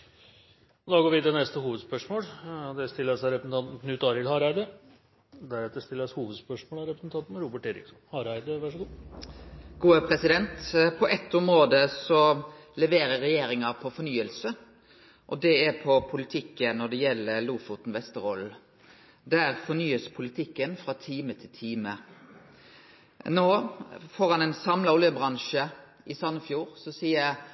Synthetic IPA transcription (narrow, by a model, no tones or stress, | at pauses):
d̪ɑːɡoːʋɪiːt̪d̪əənɛst̪əhuːʋəd̪spœʂmoːld̪ɛst̪ɪlːəsæɾɛpɾəsn̩t̪ɑnt̪n̩nʉːt̪ɑɾɪɪlhɑɾæɪd̪ə | d̪æɾɛt̪d̪ɛst̪ɪlːəshuːʋəd̪spœʂmoːlæɾɛpɾəsn̩t̪ɑnt̪mɛɾuːbəʈeːɾɪ̰ksɔnhɑɾæɪd̪əʋæʂəɡuː | ɡ̥uːəpʰɾɛsɪd̪ɛnt̪pʰɔʔɛt̪ʰːʊmoːd̪əsɔ | lɛʋeːɾəɾɛjeːɾɪŋɑpʰɔfɔɳyːəlsə | ʔɔd̪ɛæɾpʰɔpʰʊlɪt̪ʰɪkːənɔd̪ɛjɛlːəluːfʊt̪n̩ʋɛst̪əɾoːl̩ | d̪æːɾfɔnyːəspʰʊlɪt̪ʰɪkːənfɾɑt̪ʰiːmət̪ʰɪlt̪ʰiːmə | noːfoːʁhɑnɛɪnsɑmlɑɔljəbʁɑŋʂə | ʔɪsɑmːəfjuːʁsɔsiːəɾ